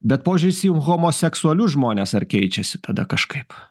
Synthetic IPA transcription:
bʲɛt̪̚poːʋʲɪʒʲd͡ʒʲʊɪsʲijumɣoːmoːsʲɛksʊɐlʲʊʒmoːnʲeːsɐɾkʲɛɪt͡ʃʲɛsʲɪ̥t̪ʰɐd̪ɐ̰kɐʃkɐɪp

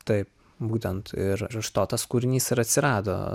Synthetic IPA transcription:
t̪ɐɪp | buːt̪ʲɛnt̪ɪɾɾʊʃt̪oːt̪ɐskuːɾʲɪnʲiːsɪɾɐt̪ʲsʲɪɾɑːd̪o̰ː

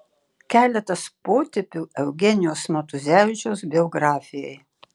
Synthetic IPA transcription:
kʲæːlʲɛt̪ɐspoːt̪ʲɪpʲuːɛʊɡʲɛnʲɪjoːsmʲɛt̪ʊzʲæːʋʲɪt͡ʃʲoːsbʲɛɔɡɾɑːfʲɪjɛj

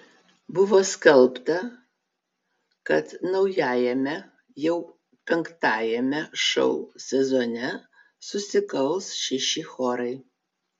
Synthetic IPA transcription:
bʊʋoːskɐlˠpt̪ɐ | kɐt̪nɐʊjæːjɛmʲɛ | jɛʊ | pʲɛŋkt̪ɑːjɛmʲɛʃɐ̰ʊsʲɛzoːnʲɛ | sʊsʲɪkɐlˠsʃʲɪʃʲɪxoːɾɐɪ

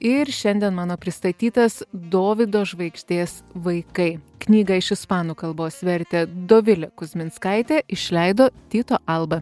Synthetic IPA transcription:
ɪɾʃʲɛnʲd̪ʲɛnmɑːnoːpʲɾʲɪst̪ɐt̪ʲiːt̪ɐsd̪oːʋʲɪd̪oːʒʋɐɪkʃʲt̪ʲeːsʋɐɪkɐɪknʲiːɡɐɪʃɪspɑːnuːkɐlˠboːsʋʲɛɾʲt̪ʲɛd̪oːʋʲɪlʲɛkʊzʲmʲɪnskɐɪt̪ʲeːɪʃʲlʲɛɪd̪oːt̪ʲiːt̪oːʔɐlˠbɐ

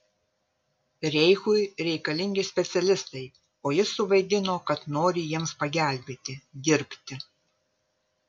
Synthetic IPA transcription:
ɾʲɛɪxʊɪɾʲɛɪkɐlʲɪŋʲɡʲɪsʲpʲɛt̪sʲɛlʲɪst̪ɐɪ | oːjɪsʊʋɐɪd̪ʲɪnoːkɐt̪noːɾʲɪjiɛmspɐɡʲæˑlʲbʲeːt̪ʲɪd̪ʲɪɾʲpʲt̪ʲɪ

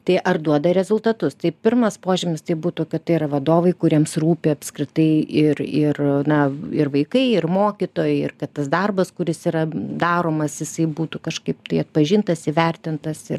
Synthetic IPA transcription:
t̪ɐɪʔɐrd̪uɔd̪ɐɾʲɛzʊlˠt̪ɐt̪ʊst̪ɐɪpʲɪrmɐspoːʒʲɪmʲɪst̪ɐɪbuːt̪ʊkɐt̪t̪ːɐɪɪɾɐʋɐd̪oːʋɐɪkʊɾʲiɛmsruːpʲɪɐpʲskɾʲɪt̪ɐɪɪrɪrnɐɪrʋɐɪkɐɪɪrmoːkʲit̪oːjɛɪɪrkɐt̪t̪ɐsd̪ɐrbɐskʊɾʲɪsiːɾɐd̪ɑːɾoːmɐsjɪsɐɪbuːt̪ʊkɐʃkɐɪpt̪ɐɪɐt̪̚pɐʒʲɪnt̪ɐsɪʋʲɛrʲt̪ʲɪnt̪ɐsɪr

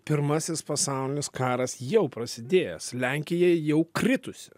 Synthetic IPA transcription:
pʲɪɾmɐsʲɪspɐsɑˑʊlʲɪnʲɪskɑːɾɐsjɛʊpɾɐsʲɪd̪ʲeːjɛ̰slʲɛŋʲkʲɪjɛjɛʊkɾʲɪt̪ʊsʲɪ

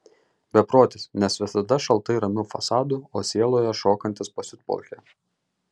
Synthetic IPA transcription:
bʲɛpɾoːt̪ʲɪsnʲɛsʋʲɪsɐd̪ɐʃɐlˠˑt̪ɐɪɾɐmʲʊfɐsɑːd̪ʊoːsʲiɛlˠoːjɛʃoːkɐnʲt̪ʲɪspɐsʲɪt̪po̰ːkʲe

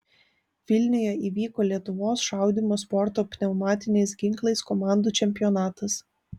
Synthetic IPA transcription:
ʋʲɪlʲnʲʊjɛiːʋʲiːkoːlʲiɛt̪ʊʋoːsʃɑˑʊd̪ʲɪmoːspɔɾt̪oːpʲnʲɛʊmɑːt̪ʲɪnʲɛɪsɡʲɪŋklˠɐɪskɔmɑˑnd̪uːt͡ʃʲɛmʲpʲɪjɔnɑːt̪ɐs

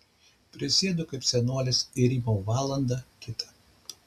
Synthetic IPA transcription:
pʲɾʲɪsʲeɛd̪ʊkɐɪpsʲɛnoɔlʲɪsɪɾʲiːmoʊʋɑːlˠɐnd̪ɑkʲɪt̪ɐ̥

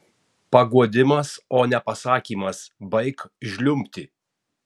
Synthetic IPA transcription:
pɐɡuɔd̪ʲɪmɐsoːnʲɛpɐsɑːkʲiːmɐsbɐɪkʒʲlʲʊmʲpʲt̪ʲɪ

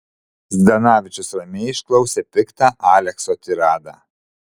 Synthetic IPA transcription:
zʲd̪ɐnɑːʋʲɪt͡ʃʲʊsɾɐmʲɛːɪʃklˠɐʊsʲɛːpʲɪkt̪ɑʔɑːlʲɛksoːt̪ʲɪɾɑːd̪ɑ

